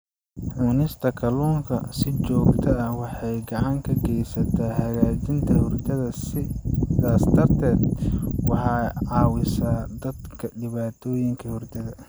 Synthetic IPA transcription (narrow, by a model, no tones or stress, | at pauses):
ʕuːnɪst̪ʰɐkʰɐluːŋkʰɐsɪt͡ʃɔːɡt̪ʰɐɐhwɑħɑjɡɑʕɑŋkʰɐɡɛjsɐt̪ʰaːhɐɣaːt͡ʃɪnt̪ʰɐhʊrd̪ɐðɐsɪaːsd̪ɐrt̪ʰɛːd̪wɑħɑːʕɑːwɪsaːd̪ɐd̪kʰɐɖɪβaːt̪ʰɔːjɪŋkʰɐhʊrd̪ɐðɐ